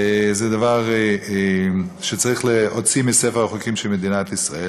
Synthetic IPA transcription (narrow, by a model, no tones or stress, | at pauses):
zɛd̪avaʁ | ʃet͡saʁiχleot͡simisefeʁaχokimʃelmed̪inat̪isʁae